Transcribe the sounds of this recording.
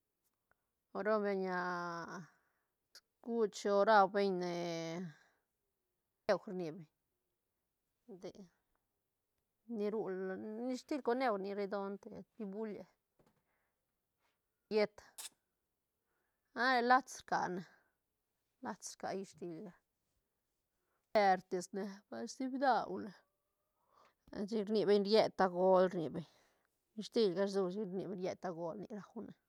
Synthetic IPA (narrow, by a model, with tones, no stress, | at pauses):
o˧ɾo˦be˧ɲa˧ | s | ɡ̥u˦t͡ʃo˧ɾa˧wbe˧ɲne˨ | e˧xɾni˨be˨ | d̪e˨ | ni˧ɾu˧lni˧ʂt̪i˦lko˧ne˦˨wni˧ɾe˧d̪o˧nt̪ḛ˨t̪i˧bu˦la˨ | je˦˧t̪ | a˦le˧la˦t͡sɾka̰˨na˨ | la˦t͡sɾka̰˨ji˧ʂt̪i˧lɡa˦ | e˧ɾt̪e˨sne˧ba˧st̪i˦bd̪a˧˨wle˨ | t͡ʃi˧ɾni˧be˧ɲɾje˦˧t̪a˧ɡo˦lɾnḭ˨˧be˧ɲ | i˧ʃt̪i˧lɡa˦ɾzu˧ʃi˧ɾni˧be˧nɾje˧t̪a˧ɡo˧lnḭ˧ɾa˧wne˨